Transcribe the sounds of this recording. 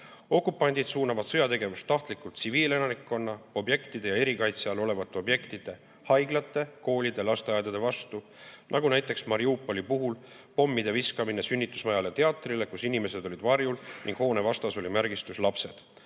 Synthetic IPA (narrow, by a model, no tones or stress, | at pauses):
o̞kːˑupːˑɑnʲd̪id̪suːnɑvɑd̪̥sɤjɑt̪e̞ɡe̞vust̪ːɑht̪likːˑult̪siviːle̞nɑnikːˑo̞nːɑo̞bje̞kt̪id̪e̞jɑe̞ɾikɑjt̪seɑlo̞le̞vɑt̪ˑːe̞o̞bje̞kt̪id̪̥e̞ | hɑjɡlɑt̪ːˑe̞ko̞ːlʲid̪e̞lɑst̪eɑjd̪̥ɑd̪e̞vɑst̪u | nʔɑɡunæjt̪ːˑe̞ksmɑɾiupːˑo̞lipuɦul | po̞mːid̪̥e̞viskɑmine̞synʲːit̪ːˑusmɑjɑlet̪e̞ɑt̪ːˑrile̞kusinime̞se̞d̪o̞lʲid̪vɑrjulniŋɡ̥ho̞ːne̞vɑst̪ɑso̞lʲimæɾɡ̥ist̪uslɑpse̞d̪̥